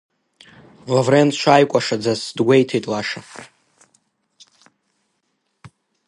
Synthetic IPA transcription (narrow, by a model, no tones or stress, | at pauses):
lavrenʃʷʰajkʷʼaʂad͡zasdɡʷe̞jtʰejtʼlaʂa